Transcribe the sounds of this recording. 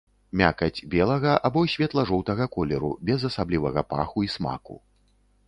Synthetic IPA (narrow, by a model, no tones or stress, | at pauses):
mʲa̰kɐd͡zʲbʲɛlˠɐɣɐʔabɔsʲvʲɛt̪lˠɐʐɔwt̪ɐɣɐkɔlʲɛɾṵbʲɛzɐsablʲivɐɣɐpa̰xuisma̰kṵ